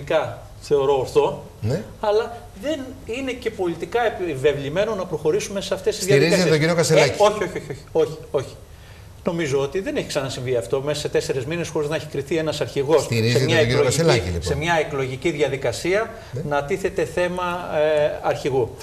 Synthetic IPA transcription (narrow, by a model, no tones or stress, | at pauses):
ikɐ | θe̞o̞ɾo̞ːɾθo̞ | nɐlɐ | ðe̞nine̞ce̞po̞lit̪ikɐepive̞vlime̞no̞nɐpɾo̞xo̞ɾisume̞seɐft̪e̞st̪izðjɐiizɐit̪oɟiɾiokɐselɐo̞çio̞ço̞çioçi̥o̞çi̥o̞çi̥ | no̞mizo̞ot̪iðe̞ne̞çi̥ksɐnɐsiɱviɐft̪o̞mesɐse̞t̪e̞se̞ɾe̞zminesxo̞ɾiznɐeçi̥kɾiθie̞nɐsɐɾçiɣo̞siɾiszeɲɐeiloielciise̞mɲɐeklo̞ʝiciðʝɐðikɐsiɐ | nɐt̪iθe̞t̪e̞θe̞mɐ | ɐɾçiɣu